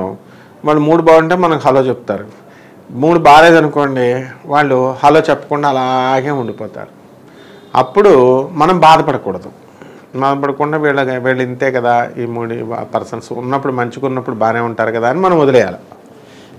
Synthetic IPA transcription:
ʋaːɭːumuːɽubaːwɐɳʈeːmɐnɐmɦɐlo̞ːt͡ʃebut̪aːɾu | muːɽubaːleːd̪ɐnuko̞ːɳɖiʋaːɭːuhɐlo̞ːt͡ʃɛpːɐ̥kuɳɖaːlaːɡe̞ːuɳɖipɔːt̪a̰ːɾu | ɐ̰pːuɽumɐnɐmbaːd̪ɐpɐɽɐkuːɽɐd̪u | baːd̪ɐpɐɽɐkuɳɖaːʋiːɭːɐʋiːɭːint̪eːkɐd̪aːiːmuːɽḭpɐɾsɐnsṵnːɐpːuɽumɐɲt͡ʃikunːɐpːuɽubaːneːuɳʈaːɾukɐd̪aːɐnimɐnɐmod̪ɐlɛːja̰ːla̰

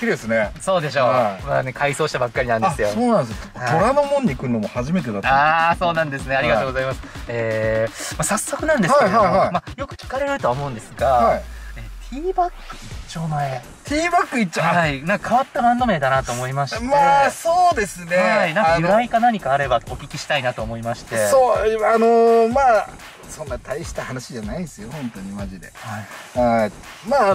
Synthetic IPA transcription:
kʲːid̪esɨneso̞ːd̪e̞ɕ̬o̞ːama̰ːne̞kʰaiso̞ːɕi̥t̪abakːaɾʲinãndesɨjo̞soːnãnd̪esat̪oɾanomõ̞ɲ̟ːiːkɯno̞mohaʑime̞t̪̬ed̪at̪aːso̞ːnãnd̪e̞sɨneaɾʲiɡatoːɡozaimasɨ̥eːmasasːokɯ̟nãnd̪e̞keiaoaimajo̞kɯ̟̥kʲi̥kaɾe̞ɾɾɯ̟t̪o̞aomo̞ɯ̟̃nd̪e̞sɨɡaaie̞t̪ʲʰiːbakːɯ̟it͡ɕoːmae | t̪ʰʲiːbakːɯ̟it͡ɕːohainãŋkakʰaβat̪ːabãnd̪o̞me̞d̪anat̪o̞ːmo̞imaɕimaesoːd̪e̞sɨneainãŋkajɯɾaikanaɲ̟ikaːɾe̞bao̞kʲikʲiɕi̥t̪ainat̪o̞ːmo̞imaɕi̥t̪e̞oːanomaː | sõ̞nːat̪ʰaiɕi̥t̪ahanaɕiʑanaid̪sɨjohõ̞nt̪o̞ɲ̟imaʑid̪e̞̰haia | maː

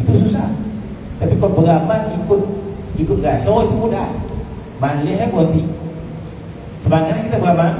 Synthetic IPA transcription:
it̪ususah | t̪apikɔlbəɡamanikʊt̪̚ikʊt̪̚ŋɡasoit̪umuda | manliaabuɔnt̪i | səbaɲaakit̪abəɡama

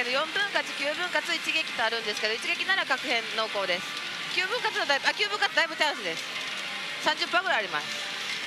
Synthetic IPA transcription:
ed̪ojõ̞mbɯ̟̃ŋkat͡ɕi̥kʲɨːbɯ̟̃ŋkat͡sɨit͡ɕiɡe̞kʲi̥t̪oaɾɯ̟̃nd̪e̞sɨ̥ke̞d̪o̞it͡ɕiɡe̞kʲinaɾakakɯ̟hẽ̞nːo̞ːko̞ːd̪e̞sɨ̥ | kʲɨːbɯ̃ŋkat͡sɨnad̪aibɯakʲɨːbɯ̟̃ŋkat͡sɨd̪aibɯ̟t̪ãɕid̪e̞sɨ̥ | sãɲd͡ʑɨpːaːɡɯɾajaɾima̰sɨ̥

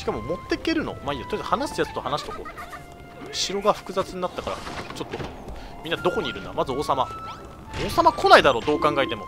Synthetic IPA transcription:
ɕi̥kamo̞mo̞t̪ːe̞ke̞ɾɯ̟no̞̰maiat̪ojad̪ahanaɕi̥t̪ajat͡sɨ̥t̪ohanaɕi̥t̪oko̰ː | ɕiɾo̞ɡaɸɯ̟̥kɯ̟zat͡sɨɲ̟inat̪ːakaɾa̰t͡ɕo̞t̪ːo̞ | mʲĩnːad̪oko̞ɲ̟iɾɯ̟na̰mazɨoːsama | oːsamakʰo̞naid̪aɾo̞ːd̪o̞ːkãŋɡait̪e̞mo̞̰

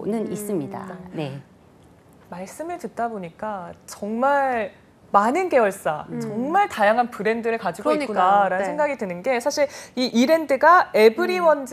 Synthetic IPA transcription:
nɯnis͈ɯmɲida̰ne | maɭs͈ɯmɯɭtɯt̚t͈aboɲik͈at͡ɕʌŋmaɭ | manɯnke̞ʌɭs͈a̰t͡ɕʌŋmaɭtajaŋɦanpɯɾe̞ndɯɾɯɭkad͡ʑiɡɡoikunaɾanɯnssʰe̞ŋɡaɡidwɯnɯnɡe̞sʰaɕʰiɾiʔiɾe̞ndɯɡae̞bɯɾiwʌnd͡ʑ

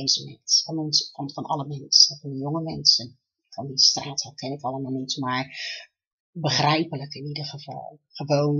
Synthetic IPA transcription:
zəmɛ̰ntfɔninfɑnfɑnʔɑ̰ləmɛnsənfɔnjoŋəmɛnsən | fɑndistraːthakʰɪnɪkɑlˠəmalˠnitmaɹ | bəχrɛjpələkɪnidəɹχəvɑ̰lˠχəʋoːn

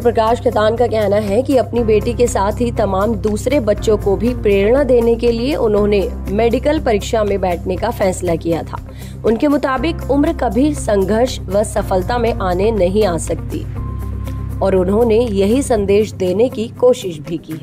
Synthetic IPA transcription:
pɾɐkaːʃkɪt̪aːnkakɛɦnaɦɛkiɐpnibeːʈikesaːt̪ʰɦit̪ɐmaːmd̪uːsɾebɐtːʃõkobʱipɾeːɾɽ̃ad̪eːnekelieʔʊnɦõnemeːɖɪkəlpɐɾɪkʃamẽbɛːʈʰnekafɛːslakijat̪ʰa̰ː | ʊnkemʊt̪aːbɪkʊmɾkabʱisɐ̃ŋɡʱəɾʃʋɐsɐfəlt̪amẽʔaːnenɐɦĩaːsɐk̚t̪ḭː | ɔːɾʊnɦõnejɐɦisɐ̃nd̪eːʃd̪eːnekikoːʃɪʃbʱikiːɦɛː

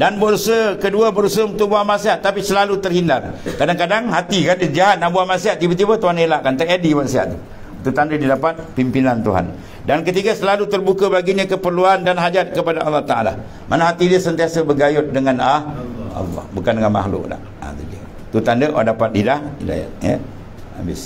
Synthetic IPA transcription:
danbəʔusəkəduəbəɾusəunt̪ʊʔbuahmasiɦat̪ːapisəlalut̪ərhindarkadaŋkadaŋɦat̪ikanəd͡ʒaɦat̪̚naʔbuaʔmasiat̪̚ːibat̪̬ibat̪uɦanelaʔkant̪aadimaʔsia̰ʔ̪t̪u | t̪ut̪andədidapat̪̚pimpinant̪uɦa̰n | dankət̪iɡasəlalut̪ərbukəbaɡiɲakəpərluandanɦad͡ʒat̪̚kəpadaʔɑlːɑht̪aʔa̰la̰ | mʔanaɦat̪idiəsənt̪iasəbəɡajʊt̪̚dəŋanahɑ̰lːɔ̰hbukandəŋanma̰hlʊ̰ʔla̰ʔ | a̰t̪iɡa̰ | t̪ut̪andəʔa̰dapat̪̚didahḭda̰ja̰t̪̚jə̰ | a̰bɪ̰s

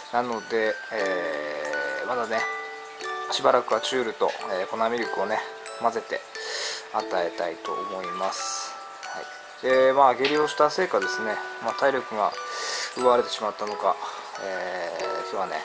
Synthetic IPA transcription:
nano̞d̪e̞ | mad̪ane̞ | ɕibaɾakɯ̟βat͡ɕɨːɾɯ̟t̪o̞̰eːko̞namʲiɾʲokɯ̟o̞ne | maze̞t̪e̞̰ | at̪ae̞t̪ait̪o̞̰ʔomo̞imasɨ̥ | haḭ | d̪̥emaɡe̞ɾʲio̞ːɕi̥t̪ase̞ːkad̪e̞sɨne̞mat̪aiɾʲo̞kɯ̟ɡa̰ɯ̟βaɾe̞t̪e̞ɕimat̪ːano̞ka̰ | eːkeane̞̰

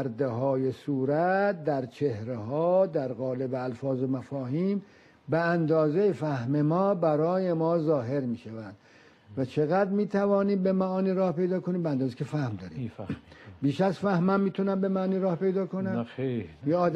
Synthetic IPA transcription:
ɾd̪eɦɒːjesuːɾæt̪̚d̪æɾt͡ʃʰehɾeɦɒːd̪æɾɣɒːle̞beælfɒːzomæfɒːɦiːm | beænd̪ɒːzejfæhmemɒːbæɾɒːje̞mɒːzɒːɦe̞ɾmiːʃævænd̪̥ | væt͡ʃʰeɣæd̪ɾmiːt̪ʰævɒːniːmbemæʔɒːniɾɒːhpe̞jd̪ɒːkʰoniːmbeænd̪ɒːzekʰefæhmd̪ɒːɾḭːm | biːʃæzfæhmæmːiːt̪ʰunæmbe̞mæniːɾɒːhpe̞jd̪ɒːkʰonæmjeɒːd̪

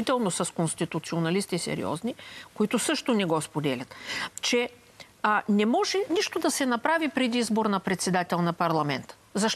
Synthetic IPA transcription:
it̪ɛlˠnosɐskonst̪it̪ʊt̪sionɐlist̪isɛ̰ɾḭɔ̰znikoit̪ʊsɤʃt̪ʊnɛɡɔspod̪ɛlʲɐt̪t͡ʃɛ | nɛmɔʒɛniʃt̪od̪ɐsɛnɐpɾavipɾɛd̪iizboɾnɐpɾɛt̪sɛd̪at̪ɛlˠnɐpɐɾlˠɐmɛnt̪ə̥zɐʃ

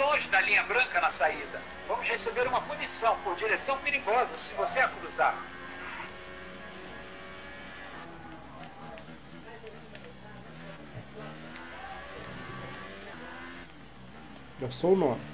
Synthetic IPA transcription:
lõʒɪd̪ɐlĩɲɐbɾɐ̃ŋkɐnɐsaid̪ɐ | vɐ̃mʊzhesebeɾũmɐpunisɐ̃w̃poɾd͡ʒiɾesɐ̃w̃piɾiɡɔzɐsɪvoseakuɾuzaɾ | d̪ɐsounõmɪ

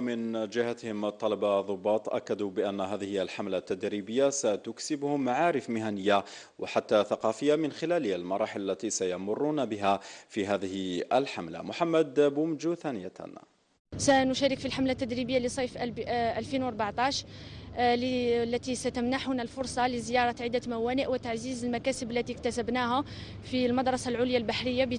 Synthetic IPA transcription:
mɪnd͡ʒɪhat̪hɪmt̪ˤːɑlɑbaðˤʊbːɑːt̪ˤʔa̰kːad̪ubɪʔanːɦæːðɪhɪəlħamlat̪ːad̪ɾibəjːasat̪ʊksɪbhʊmːaʕaːɾɪfmɪɦanəjːa | wħat̪ːaθɑqɑfəjːamɪnxɪlæːləlmɑɾˤɑːħɪləlːæt̪isajɑmʊrˤːʊnabɪɦæfiɦæːðɪhəlħamla̰mʊħamːæd̪bumd͡ʒuθænəja̰n | sænʊʃæɾəkfilħamlat̪ːæd̪ɾibəjːalisˤɑjfʔælfinwɾˤbaʕt̪ˤɑʃ | llːæt̪isæt̪əmnaħhʊnælfʊɾˤsˤɑləzəjɑɾˤɑt̪ʕid̪ːæmæwænəʔwət̪aʕzizəlmækæsəbəlːæt̪ikt̪æsæbnæhæ | filmɑd̪ɾˤɑsalʕʊljalbaħɾəjːab

